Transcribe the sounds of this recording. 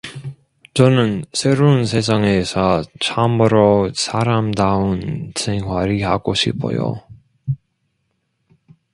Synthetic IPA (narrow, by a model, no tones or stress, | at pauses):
t͡ɕʌnɯnsʰeɾons̬ʰes̬ʰaŋesʰʌt͡ɕʰamɯɾosʰaɾamdaɯnsʰeŋɦwaɾihaɡoɕʰipʰo̰jo̰